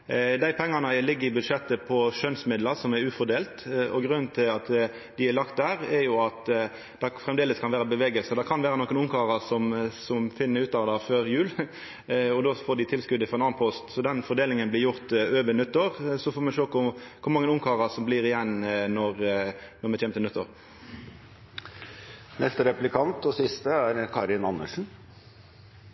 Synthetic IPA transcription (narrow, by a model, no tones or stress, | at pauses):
d̪æɪpʰɛŋːɑnəlɪɡːəɾɪbʉd̪ʂɛt̪ːəpʰɔʃœnsmɪd̪ləɾsɔmɛɾʉːfɔd̪eːlt̪ɔɡɾʉnːnt̪ʰɪlɑt̪ | d̪ɪælɑkt̪̚d̪æːɾɛɾjʊɑt̪ | d̪ɛfɾɛmd̪eːləskʰɑnʋæːɾəbəʋeːɡəlsəd̪ɛkʰɑnʋeːɾənoːkːənʊmkʰɑːʁɑsɔmsɔmfɪnːəɾʉːt̪ɑʋəd̪ɑføːɾjʉːl | ɔd̪oːfoːɖ̪ɪt̪ʰɪlskʉd̪ːəfɔʁɔɛnɑːnpʰɔst̪sɔd̪ɛnfɔɾd̪eːlɪŋənblɪɾjʊʁt̪øːʋənʉt̪ːəɾsɔfoːmɛʃøːkʊkʰʊɾmɑŋːənʊŋkʰɑːʁɑsɔmbliːʁɪjɛnnɔʁnɔmɛçʰɛːmt̪ənʉt̪ʰːəɾ | nɛst̪əɾɛplɪkʰɑnt̪ɔsɪst̪əæɾkʰɑɾɪnɑnːəʂn̩